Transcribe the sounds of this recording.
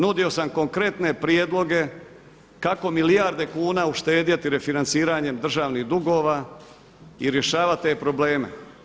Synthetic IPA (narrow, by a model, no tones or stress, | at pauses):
nud̪io̞samko̞ŋkɾe̞t̪ne̞pɾijed̪lˠo̞ɡe̞ | kako̞milijaɾd̪e̞kuːnaːuʃt̪e̞ːd̪jat̪iɾe̞finant̪siːɾaːɲe̞md̪r̩ʒaːʋniɣd̪uɡo̞ːʋaː | iɾje̞ʃaːʋat̪ːe̞pɾo̞ble̞ːme̞̰